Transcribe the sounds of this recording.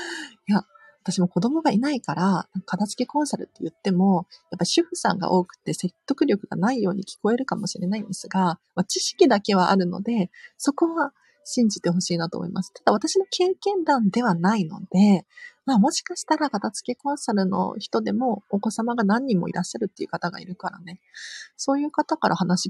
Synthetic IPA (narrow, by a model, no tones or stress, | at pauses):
ja | at̪aɕimo̞ko̞d̪o̞mo̞ɡainaikaɾanãŋkḁkat̪at͡sɨ̥ke̞kõ̞ɰ̃saɾɯ̟t̪ːejɯ̟t̪ːe̞mo̞japːaɾʲiɕɨɸɯ̟sã̰ŋɡa̰ʔo̞ːkɯ̟̥t̪ːe̞se̞t̪ːo̞kɯ̟ɾʲo̞kɯ̟ɡa̰naijo̞ːɲ̟ikʲi̥ko̞e̞ɾɯ̟kamo̞ɕiɾe̞naĩnd̪esɨɡamat͡ɕiɕi̥kʲid̪ake̞β̞aʔa̰ɾɯ̟no̞̰d̪e̞so̞ko̞βa | ɕĩɲ̟d͡ʑit̪e̞ɦo̞ɕiːnat̪o̰ːmo̰ḭmʔasɨ̥t̪ad̪aβat̪aɕino̞kʰe̞ːkẽ̞nd̪ãnd̪e̞βanaino̞d̪̥e̞maːmo̞ɕi̥kaɕi̥t̪aɾakat̪at͡sɨ̥ke̞kõ̞ɰ̃saɾɯ̟no̞̰çi̥t̪o̞d̪e̞mo̞ːko̞samaɡanãɲ̟ːĩmːo̞̰ḭɾaɕːaɾɯt̪ːe̞iɯ̟̰kat̪aɡa̰ḭɾɯ̟kaɾa̰ne̞so̞ːjɯ̟ːkat̪akaɾʔahanaɕi